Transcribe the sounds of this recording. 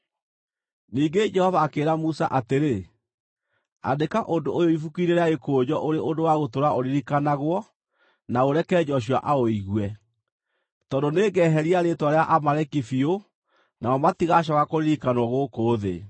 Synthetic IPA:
niːŋɡed͡ʒɛhɔvaːkeːɾamusa̰ʔateɾe | a̰dekaʔondoojoifukineɾeaekoːd͡ʑɔʔoɾeʔondowaɣotoɾaʔoɾiɾikanaɣwɔ | naoɾɛkɛːd͡ʒɔɕ̬ja̰ʔaoiɣwɛ | tɔndoneːɡɛːɦɛɾiaɾetwɔɾeaʔamaɾɛkifio | naɔmatiɣaɕ̬ɔkakoɾiɾikanwɔɣokoːðḛ

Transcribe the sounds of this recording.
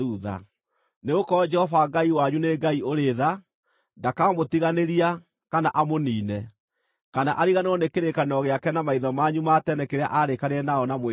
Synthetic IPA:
uða̰ | neɣokɔɔd͡ʒɛhɔvaɡaiwaɲuneɡaioɾeða | ndakaːmotiɣaneɾia | kanaʔamoniːnɛ | kana̰ʔaɾiɣaneɔnekeɾekanɔɣeakɛnamaiðɔmaɲumatɛnɛkeɾea̰ʔaɾekaɾeɛnaɔnamwe

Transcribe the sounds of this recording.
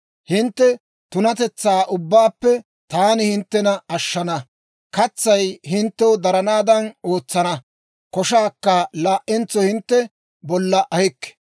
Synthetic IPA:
hɪnt̪ːɛ | t̪ʊnɐt̪ɛt͡sːaːʔʊbːaːpːɛ | t̪aːnɪhɪnt̪ːɛnɐɐʃːɐnɐ | kɐt͡sːɐjhɪnt̪ːɛwɔd̪ɐɾɐnaːd̪ɐnoːt͡sːɐnɐ | kɔʃaːkːɐlaːʔɪnt͡sːɔhɪnt̪ːɛ | bɔlːɐʔɐhɪkːɛ̥

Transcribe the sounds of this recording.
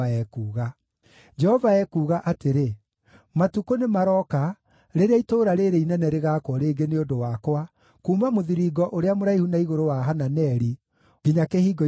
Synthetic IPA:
aɛkuːɣa | d͡ʒɛhɔvaɛkuːɣaʔateɾe | matukonemaɾɔka | ɾeɾeaitoːɾaɾeɾeinɛnɛɾeɣaːkwɔɾeːɡeneodowakwa | kuːmamoðiɾiɡɔʔoɾeamoɾaihunaiɣoɾowaɦananɛɾi | ɡ̥iɲakehiːɡɔ

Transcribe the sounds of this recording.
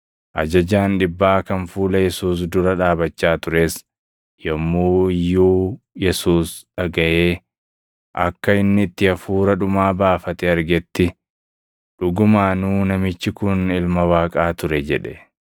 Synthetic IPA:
ʔɐd͡ʒɐd͡ʒaːnᶑɪbːaːkɐnfuːlɐjɛsuːs̬d̪ʊɾɐᶑaːbɐt͡ʃːaːt̪ʊɾe̞ːs | jɔmːuːɪjːuː | jɛsuːsᶑɐɡɐʔeː | ʔɐkːɐɪnːɪːt̪ːɪɐfuːɾɐᶑʊmaːbaːfɐt̪ɛɐɾɡɛt̪ːɪ | ᶑʊɡʊmaːnuːnɐmɪt͡ʃːɪkʊnɪlmɐwaːkʼaːt̪ʊɾɛd͡ʒɛᶑɛ̰

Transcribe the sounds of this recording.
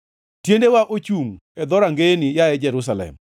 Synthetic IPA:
tjendewaʔot͡ʃum | ɛd̪ɔɾaŋɡenɪjaɛd͡ʒɛɾʊs̬alɛ̰m

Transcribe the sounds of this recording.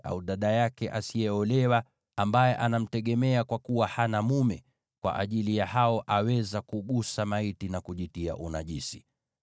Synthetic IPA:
a̰uɗaɗajakɛʔasijɛɔlɛwa | ambajɛʔanam̩tɛɠɛmɛakwakuwahanamumɛ | kwa̰ʔaʄilijahaɔʔawɛzakuɠusamaitinakuʄitia̰ʔunaʄisi̥

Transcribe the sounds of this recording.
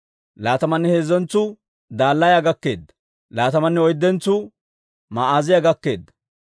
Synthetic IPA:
laːt̪ɐmɐnːɛheːzɛnt͡sːʊ | d̪aːlːɐjaɡɐkːe̞̰ːd̪ːɐ̥ | laːt̪ɐmɐnːɛɔjd̪ːɛnt͡sːʊ | maʔaːzɪjɐɡɐkːe̞ːd̪ːɐ̥

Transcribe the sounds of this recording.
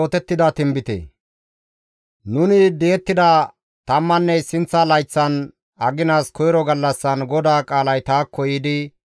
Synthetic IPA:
t̪ɛt̪ːɪd̪ɐt̪ɪmbɪt̪ḛ | nʊnɪd̪eɛt̪ːɪd̪ɐ | t̪ɐmːɐnːɛsɪnt͡sːɐlɐjt͡sːɐn | ɐɡɪnaːskʰɔjɾɔɡɐlːɐsːɐnɡɔd̪aːkʼaːlɐjt̪aːkːɔjɪd̪ɪ

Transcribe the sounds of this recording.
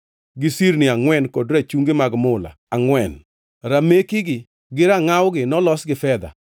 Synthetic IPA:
ɡɪsiɾnɪaŋwɛnkɔdɾat͡ʃuŋɡɪmaɡmʊla̰ | aŋwɛn | ɾamekiɡɪ | ɡɪɾaŋawɡɪnɔlɔsɡɪfɛd̪a̰

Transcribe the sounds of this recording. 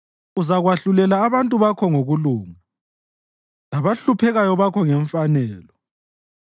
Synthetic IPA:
uzaɣwaɬulɛlaːβantʼuβakʰɔŋoɣuluːŋa | laβaɬupʰɛɣajɔβakʰɔŋɛɱfanɛːlɔ

